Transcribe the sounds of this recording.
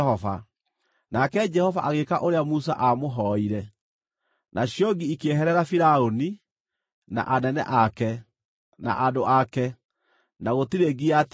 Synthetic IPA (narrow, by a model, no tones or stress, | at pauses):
hɔva̰ | nakɛd͡ʒɛhɔvaʔaɣekaʔoɾeamusa̰ʔamoɦɔiɾɛ | nʔaɕjɔɡiikeɦɛɾɛɾafiɾaoni | na̰ʔanɛnɛ̰ʔakɛ | na̰ʔadoʔakɛ | naɣotiɾeɡiat